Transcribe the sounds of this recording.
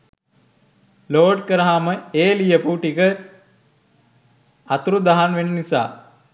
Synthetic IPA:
loːɖkəɾəɦaməeːlijəpuːʈikə | at̪uɾud̪aɦanʋenənisa̰ː

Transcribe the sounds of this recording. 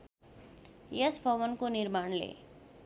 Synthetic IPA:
jʌsbʱʌβʌnkonirmaɳlḛ

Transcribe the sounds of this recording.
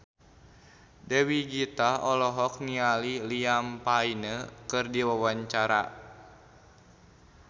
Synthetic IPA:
dəwiɡit̪aɔlɔɦɔk̚nialiliampainəkɨrdiwawaɲt͡ʃaɾa̰

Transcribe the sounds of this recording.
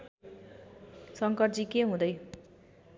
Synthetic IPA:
sʌŋkʌrd͡zikeɦũd̪ʌj

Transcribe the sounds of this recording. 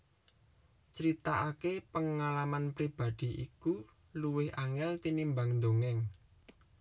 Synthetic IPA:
t͡ʃəɾit̪aʔakepəŋalamanpɾib̥a̤d̪̥i̤ʔḭku | luwɪhʔaŋɛlt̪inimbaŋnd̪oŋɛŋ

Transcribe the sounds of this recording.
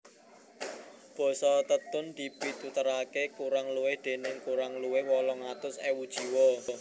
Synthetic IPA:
b̥ɔ̤sɔt̪ət̪ʊnd̪̥i̤pit̪ut̪əɾakekuɾaŋluwɪhd̪̥e̤nɪŋkuɾaŋluwɪhwɔlɔŋat̪ʊsewud̥ʒ̥i̤wɔ

